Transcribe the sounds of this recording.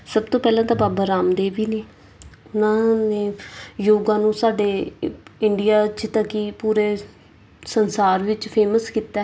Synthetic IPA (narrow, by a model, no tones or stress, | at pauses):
səbt̪õːpɛːlãːt̪aːbaːbaːɾaːmd̪eːʋiːneː | ʊnãːneːjoːɡãːnũːsaːɖeːɪɳɖɪjaːt͡ʃt̪akiːpuːɾeː | sənsaːɾʋɪt͡ʃpʰeːməskiːt̪ɛː